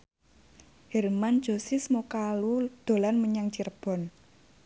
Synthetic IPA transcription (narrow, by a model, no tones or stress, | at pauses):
hɛrmand̥ʒ̥o̤sismokalud̪̥o̤lanməɲaŋt͡ʃirb̥ɔ̤n